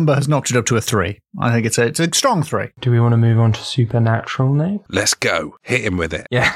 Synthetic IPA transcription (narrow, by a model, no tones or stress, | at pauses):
mbəəznɒk̚tɨɾʌp̚tʰəːθɹḭː | ʔa̰ɪθɪ̃ŋkɪtsəɪtsəstɹ̥ɒ̃ŋθɹḭːd̥əwiwɒ̃ntəmʉːvn̩tʰə̥sʉˑpʰənat͡ʃəɹəl̩ˠneɪmlɨtsɡ̥oʊhɪtɪ̃mwɪðɪ̰t̚jæ